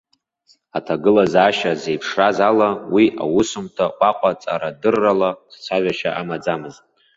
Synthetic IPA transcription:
atʰaɡɨlazaːʃaze̞jpʰʂrazalawiʔa̰wʊsʊmtʰaqʷʼaqʷʼat͡sʼa̰ɾadɨrːalast͡sʷʰaʒʷᶣaʃaʔamad͡zamɨztʼ

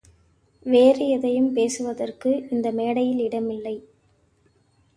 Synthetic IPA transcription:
ʋeːrɯjɛðɐjɯmpeːsɯʋɐðɐrkɯɪnd̪ɐmeːɽɐjɪlɪɽɐmɪlːɐɪ

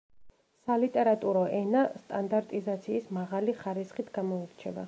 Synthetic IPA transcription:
salit̪ʼɛɾat̪ʼuɾɔʔɛnast̪ʼand̪aɾt̪ʼizat̪sʰiːsmaʁaliχaɾisχit̪ʰɡ̥amɔiɾt͡ʃʰɛba̰

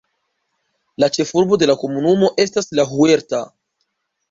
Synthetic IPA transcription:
lat͡ʃe̞fuɾbo̞d̪e̞lako̞munumo̞ʔe̞staslaɦue̞ɾta

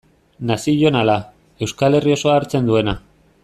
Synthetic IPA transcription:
nasiʎo̞nala | e̞wskale̞rio̞so̞aːɾt͡se̞nd̪ue̞na

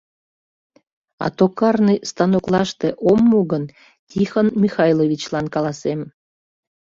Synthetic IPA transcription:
ɑ̰t̪okɑrnɨjst̪ɑnoklˠɑʃt̪eʔomːuɣən | tʲixonmʲixɑjlˠoβʲit͡ɕlɑnkɑlˠɑsem

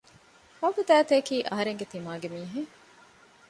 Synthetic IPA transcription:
hɐwɡud̪æːt̪eːkiːʔɐɦɐɾeŋɡet̪imaːɡemiːɦe

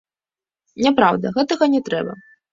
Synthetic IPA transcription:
nʲapɾawd̪ɐɣɛt̪ɐɣɐnʲɛt̪ɾɛ̰bɐ̰

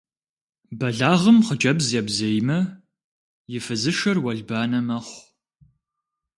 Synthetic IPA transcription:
bɐɮaːʁəmχəd͡ʒʼɐbzjɛbzejmɐ | jɪfɨzɨʃɐrwɐɮbaːnɐmɐχʷ

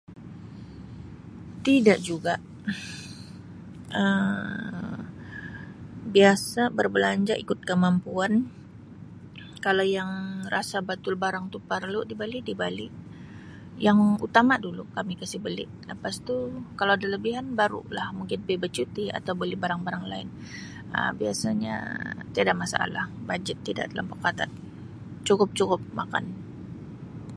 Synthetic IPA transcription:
t̪idaʔd͡ʒuɡaʔ | ʔə | biasabərbəlaɲd͡ʒaʔikʊt̪̚kəmampuan | kalawjaŋrasabat̪ʊlbaɾaŋt̪upərludibalɪdibalɪʔ | jaŋṵt̪amadulukamikasɪhbəlɪ̰ʔləpast̪ukalawadaləbiɦanbaɾṵlahmuŋkɪnbebət͡ʃut̪ia̰t̪awbəlɪbaɾaŋbaɾaŋlaɪn | ə̰mbiasaɲa̰t̪iadaʔ̚masa̰ʔa̰lahbad͡ʒət̪ːida̰ʔdala̰mpəkat̪at̪̚ | t͡ʃukʊp̚t͡ʃukʊp̚ma̰ka̰n

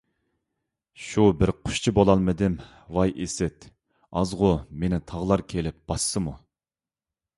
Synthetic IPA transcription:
ʃubɪɾqʰʊ̥ʃt͡ʃʰibolˠɑlˠmɨd̪ɪm | wɑjʔesɛt̪ | ɑzʁʊmenɪt̪ʰɑʁlˠɑɾkʲʰelɪp̚b̥ɑsːɨmu

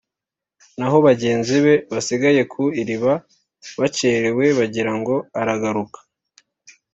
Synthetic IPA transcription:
naɦo̞βaɟe̞ːnziβe̞βasiɡaje̞kʰuiɾiβa | βace̞ɾewe̞βaɟiɾaŋɡo̞aɾaɡaɾukḁ

